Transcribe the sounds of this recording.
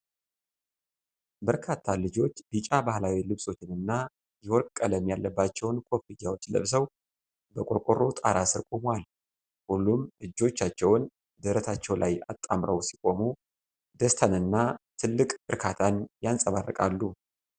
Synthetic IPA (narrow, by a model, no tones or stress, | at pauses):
bəɾkʰat̪ʰːalɨd͡ʒo̞t͡ʃːbit͡ʃʼabahlawilɨβso̞t͡ʃːɪnɨnːa | jɛwɔɾkʼːələmjalːəbːat͡ʃːɛwnkʰʼo̞fɨjːawo̞t͡ʃːlə̰βsəw | bəkʷʼokʼoɾot̪ʼa̰ɾasɨɾkʼomal | hulːumʔɨd͡ʒːo̞t͡ʃːat͡ʃːɛwn | d̪əɾət̪ʰat͡ʃːɛwlʔaja̰t̪ʼːamɾəwsikʼo̞mu | d̪əst̪ʰanɨnːat̪ʰɨlːɨkʼbɨɾkʰat̪ʰanjansʼəβarːə̰kʼalːu